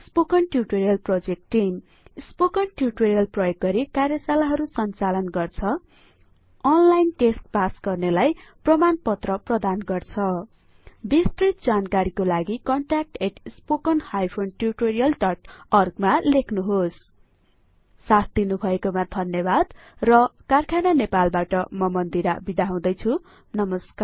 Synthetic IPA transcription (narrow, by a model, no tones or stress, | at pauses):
spokʌnʈjuʈoɾijʌlprod͡zek̚ʈːim | spokʌnʈjuʈoɾijʌlprʌjoɡɡʌɾikarjʌsalaɦʌɾusʌnt͡salʌnɡʌrt͡sʰʌ | ʌnlajnʈesʈpasɡʌrnelajprʌmanpʌt̪rʌprʌd̪anɡʌrt͡sʰʌ | bist̪rit̪̚d͡zankaɾikolaɡikʌɳʈrak̚ʈeʈspokʌnhajpʰonʈiriʈoɾijʌlʈʌʈʌrɡmalekʰnuɦos | sat̪̚ʰd̪inubʱʌekomad̪ʱʌnjʌbad̪ | rʌkarkʰananepalbaʈʌmʌmʌnd̪iɾabid̪aɦaw̃d̪ʌjt͡sʰu | nʌmʌskar